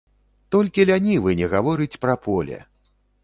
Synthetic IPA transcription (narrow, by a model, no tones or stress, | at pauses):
t̪ɔlʲkʲilʲanʲivɨnʲɛɣavɔɾɨt͡sʲpɾɐpʰɔlʲɛ̰